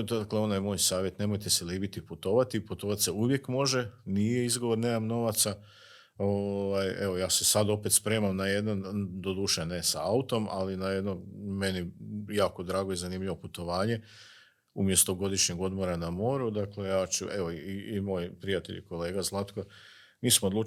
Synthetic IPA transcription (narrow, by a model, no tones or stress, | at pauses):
d̪akleo̞najmo̞ːjsaːʋje̞t̪ne̞mo̞jt̪e̞seliːbit̪iput̪o̞ʋat̪iput̪o̞ʋat̪seuʋje̞kmo̞ʒenijeizɡo̞ʋo̞ɾne̞ːmamno̞ʋat̪sa | oʋajeʋo̞jaːse̞sad̪o̞pe̞t̪spɾe̞ːmamnaje̞d̪nand̪o̞d̪uʃenesa̰aut̪o̞ma̰linaje̞d̪no̞me̞nijaːko̞d̪ɾaːɡo̞izanimʎiʋo̞put̪o̞ʋaːɲe̞ | umje̞st̪oɡo̞d̪iʃɲeɡo̞d̪mo̞ɾanamo̞ːɾud̪akle̞jaːt͡ɕṵe̞ʋoiimo̞ːjpɾijat̪e̞ʎḭko̞le̞ːɡazlˠat̪ko | niːsmod̪lu